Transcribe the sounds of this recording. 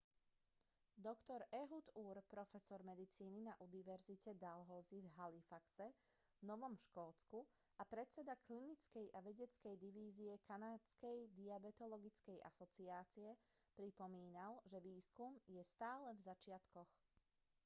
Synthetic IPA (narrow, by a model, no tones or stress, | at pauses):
d̪ɔkt̪ɔɾɛɦud̪uːɾpɾɔfɛsɔɾmɛd̪it͡siːninaʔuniʋɛɾzicɛd̪alɦɔːzivɦalifaksɛ | vnɔʋɔmʃkɔːt͡sku | apɾɛt͡sɛd̪aklinit͡skɛjʔaʋɛɟɛt͡skɛjd̪iʋiːziɛkanaːt͡skɛjd̪iabɛt̪ɔlɔɡit͡skɛjʔa̰sɔt͡siaːt͡siɛ | pɾipɔmiːnalʒɛʋiːskumjɛst̪aːlɛvzat͡ʃɪat̪kɔx